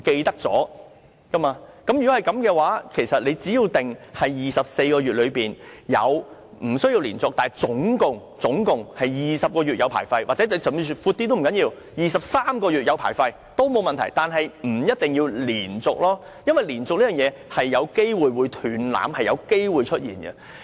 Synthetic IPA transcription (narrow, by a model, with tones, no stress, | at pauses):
ke˧jt̪ɐ˥k̚t͡sɔ̰ː˨˥ | kɐ˥maː˧kɐ˨˥mjy˨˩kɔ˨˥hɐ˨jkɐ˨˥mkɛː˧waː˨˥kʰe˨˩jsɐ˨t̚le˨˧jt͡siː˨˥jiː˧wt̪ɪ˨ŋhɐ˨jjiː˨sɐ˨p̚se˧jkɔː˧ɥyː˨t̚lɵ˨˧ɥpiː˨˩njɐ̰˨˧w | m̩˨˩sɵ˥ɥji˧wliː˨˩nt͡sʊ˨k̚t̪aː˨t͡sʊ˨˥ŋkʊ˨ŋ | t͡sʊ˨˥ŋkʊ˨ŋhɐ˨jjiː˨˩sɐ˨p̚kɔː˧yː˨t̚jɐ˨˧wpʰa̰ː˨˩jfɐ˧jwʔaː˨t͡sɛː˨˥˧t͡sy˧fuː˧t̪ːiː˥t̪o˥wm˨˩ŋkɐ˨˥njiː˧w | jiː˨˩sɐ˨p̚saː˥mkɔː˧jyː˨t̚jɐ˧wpʰa̰ː˨˩jfɐ˧j | t̪o˥wmo˨˧wmɐ˨nt̪ʰɐ˨˩jt̪aː˨nɦɐ˨jm̩˨˩jɐ˥t̚t̪ɪ˨ŋjiː˧wliː˨˩nt͡sʊ˨k̚lɔː˥ | jɐ˥nwɐ˨jliː˨˩nt͡sʊ˨k̚liː˥jœː˨ŋjɛː˨˧hɐ˨jːɐ˨˧wke˥jwuː˨jwuː˨˧jt̪ʰyː˨˥nla̰ː˨˥mhɐ˨jɐ̰˨˧wke˥jwuː˨jt͡ʃʰɵ˥t̚jḭː˨˩nɡɐ̰˧